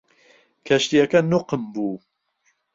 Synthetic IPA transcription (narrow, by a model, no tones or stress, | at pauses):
kʰɛʃt̪ijɛkɐnuqəmbuː